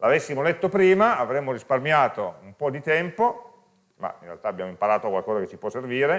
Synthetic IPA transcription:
lavesːimolet̪ːopɾiːmaavɾemːoɾisparmjaːt̪oumpɔd̪it̪ɛmpo | ma̰inrḛalt̪aːbjaːmoimpaɾaːt̪okwalkɔːzaket͡ʃːipwɔsːerviːɾe

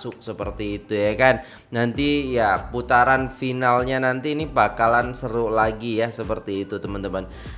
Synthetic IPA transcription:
sʊk̚səpərt̪iːt̪ujakanː | ant̪ijaput̪aɾanfinalɲanant̪iːnibakalansəɾʊlaɡijasəpərt̪iːt̪ut̪əmənt̪əmən

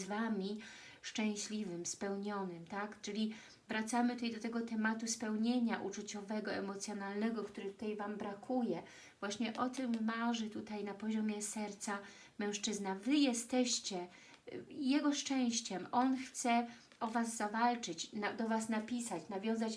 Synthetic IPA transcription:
vamʲi | ʂt͡ʂɛ̃w̃ɕlʲivɘmspɛwɲɔnɘmt̪akt͡ʂɘlʲi | vɾat̪samɘt̪ut̪ajd̪ɔt̪ɛɡɔt̪ɛmat̪uspɛwɲeɲaʔut͡ʂut͡ɕɔvɛɡɔɛmɔt̪sʲjɔnalnɛɡɔkt̪uɾɘt̪u̥t̪ajvambɾakʰujɛ | v̥waɕɲɛʔɔt̪ɘmːaʐɘt̪ut̪ajnapɔʑɔmʲjɛsɛɾt̪sa | mɛ̃w̃ʂt͡ʂɘznavɘjɛst̪ɛɕt͡ɕɛ | jɛɡɔʂt͡ʂɛ̃w̃ɕt͡ɕɛmɔnxt̪sɛ | ɔvazːavalt͡ʂɘt͡ɕnad̪ɔvasnapʲisat͡ɕnavʲjɔ̃w̃zat͡ɕ

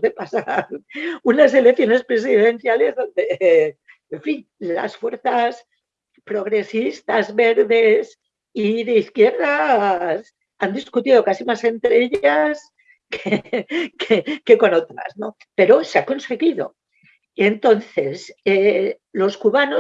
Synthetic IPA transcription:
ðepasaɾunas̬e̞leθjo̞ne̞spɾe̞siðe̞n̟θjale̞zðo̞nd̪e̞ | eɱfin | la̰sfwe̞ɾθas | pɾo̞ɣɾe̞sist̪azβe̞ɾðe̞s | iðe̞iθkje̞ɾðas | and̪iskut̪iðo̞kasimase̞nt̪ɾee̞ʎas | kekeke̞ko̞no̞t̪ɾa̰sno̞ | pe̞ɾo̞seako̞nse̞ɣiðo̞̰ | ent̪o̞nθe̞se | lo̞skuβano

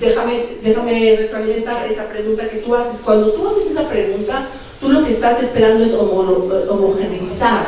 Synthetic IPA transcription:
d̪e̞xame̞d̪e̞xameret̪ɾalimẽ̞nt̪aɾe̞sapɾe̞ɣunt̪ake̞t̪uase̞skwand̪o̞t̪uase̞se̞sapɾe̞ɣunt̪a | t̪ulo̞ke̞ːst̪ase̞spe̞ɾand̪o̞e̞somooomoxenisaɾ

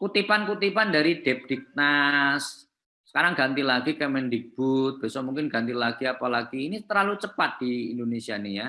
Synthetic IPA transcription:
kut̪ipankut̪ipandaɾid̥ɛp̚d̥ik̚nas | sə̥kaɾaŋɡant̪ilaɡikɛmɛndik̚b̥ut̪̚b̥esɔmuŋkɪnɡant̪ilaɡ̥iapalaɡ̥iːnit̪əɾlalut͡ʃəpat̪̚d̥iːndonesianija

